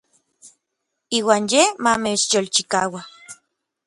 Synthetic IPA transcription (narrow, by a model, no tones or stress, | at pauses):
iːwaːnjemamet͡ʃjolt͡ʃikaːwa